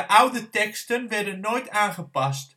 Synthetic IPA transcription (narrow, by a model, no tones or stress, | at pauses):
əʔawdətɛkstənʋɛɹdənːoːjtaːnχəpɑst